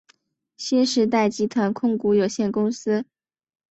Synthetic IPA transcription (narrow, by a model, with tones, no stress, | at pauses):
ɕi˥nʂɻ̩˧˥t̪̬a˥˩ɪt͡ɕi˧˥t̪ʰwa˧˥nkʰʊ˥˧ŋku˧˥jo˨˩ʊɕjɛ˥˩nkʊ˥ŋsɹ̩˥